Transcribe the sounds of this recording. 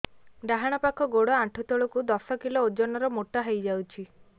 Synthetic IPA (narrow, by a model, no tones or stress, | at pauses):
ɖaɦaɽ̃ɔpakʰɔɡoɽɔaʈʰut̪ɔɭɔkud̪ɔsɔkilɔod͡ʒɔnɔɾɔmoʈaɦejd͡ʒawt͡ʃʰi